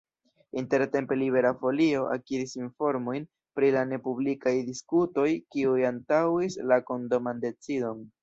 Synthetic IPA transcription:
inte̞ɾte̞mpe̞liβe̞ɾafo̞lio̞ʔa̰kiɾisinfo̞ɾmo̞jn | pɾilane̞publikajdiskuto̞jkiujantawislako̞ndomande̞t͡sido̞n

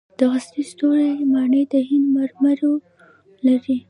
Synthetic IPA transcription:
d̪̥əɣast̪ist̪oɾemɑɳəjd̪əɦɪnd̪maɾmaɾo | laɾi

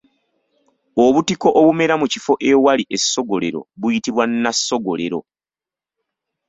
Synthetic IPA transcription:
oβutiko̞ʔoβume̞ɾamucifo̞ʔe̞waliʔe̞sːo̞ɡo̞le̞ɾo̞̰βujitiβwanːasːo̞ɡo̞le̞̰ɾo̞̰

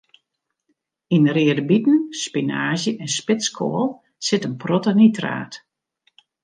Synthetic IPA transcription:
inrɪədəbitn̩spinaːzjəʔɛnspɪskʰo̰əlˠ | sɪtənprotanitra̰ːt

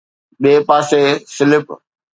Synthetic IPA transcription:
ɓeːpaːsesɪlɪp

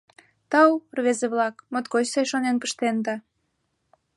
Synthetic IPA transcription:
t̪ɑwrβezeβlɑkmot̪ɡot͡ɕsɑjʃonenpə̥ʃt̪end̪ɑ

